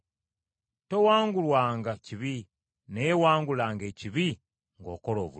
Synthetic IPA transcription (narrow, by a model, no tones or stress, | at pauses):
te̞waːŋɡulwaːŋɡaciβi | neewaːŋɡulaːŋɡe̞ːciβi | ŋɡo̞̰ːko̞lo̞̰ːβu